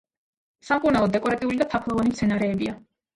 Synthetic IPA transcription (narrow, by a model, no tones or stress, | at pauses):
samkʼuɾnalˠɔd̪ːɛkʼɔɾat̪ʼiulid̪ap̪ʰakʰlˠɔvanimt̪sʰɛnaɾɛːbia